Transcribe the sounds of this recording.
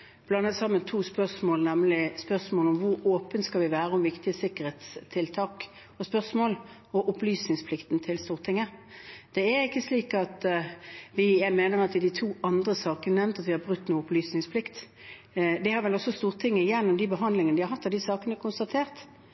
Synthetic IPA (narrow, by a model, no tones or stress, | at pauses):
b̥lɑnːət̪sɑmːənt̪ʰuːspœʁsmoːlnɛmlɪspœʁsmoːlʊmʋʊɾoːpənt̪skɑlʋɪʋæːɾəʊmʋɪkt̪ɪəsɪkəʁɾheːt̪st̪ʰɪlt̪ʰɑːk | ɔspœsmoːl | ɔʔʊplyːsnɪŋspʰlɪkt̪nt̪ʰɪlst̪uːʁt̪ʰɪŋːəd̪̥ɛæɾɪkːəsliːkɑt̪ | ʋɪjæɪmeːnəʁɑt̪ʋɪd̪ɪt̪ʰuːɑnd̪ʁəsɑːkənənɛmnt̪ɑt̪ʋɪhɑbʁʉt̪ːnuːəʊplyːsnɪŋspʰlɪkt̪ | d̪ɪhɑɾʋɛlɔsːɔst̪uːʁt̪ʰɪŋːəɪjɛnːɔmd̪ɪbəɦɑnd̪lɪŋənd̪ɪhɑɾɦɑt̪ːɑʋd̪ɪsɑːkənɛɾkʊnst̪ɑt̪ʰeːʁt̪